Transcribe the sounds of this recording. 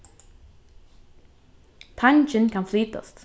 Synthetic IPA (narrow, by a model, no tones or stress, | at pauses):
t̪ʰant͡ʃɪ̃nkʰãnfliːt̪ə̰st̪